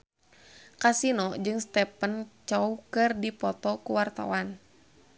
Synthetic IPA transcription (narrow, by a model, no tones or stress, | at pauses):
kasinɔd͡ʒɨŋst̪ɛpənt͡ʃɔukɨrdipɔt̪ɔkuwart̪a̰wan